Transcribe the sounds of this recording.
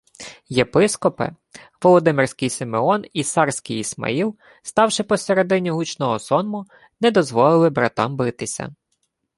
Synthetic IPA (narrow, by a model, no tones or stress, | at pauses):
jepɪskɔpɪ̰ | ʋɔlˠɔd̪ɪmɪrsʲkɪjsɪmeɔnisɑrsʲkɪjismɐ̰ilˠ | st̪ɑwʃɪpɔseɾe̞d̪ɪnʲiɦut͡ʃnɔɦɔsɔnmʊ | nɛd̪ɔzʋɔlˠɪlˠɪbɾɐ̰t̪ɑ̰mbɪt̪ɪsʲɐ̰